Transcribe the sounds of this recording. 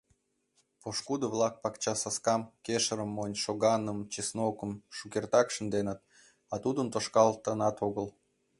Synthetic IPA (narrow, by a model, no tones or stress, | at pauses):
poʃkud̪əvlɑk̚pɑkt͡ɕɑsɑskɑmkʲeʃəɾəmːonʲʃoɣɑnəmt͡ɕisnokəmʃukʲert̪ɑkʃə̆nd̪enə̆t̪̚ | ɑt̪ud̪ənt̪oʃkɑlˠt̪ənɑt̪oɣəl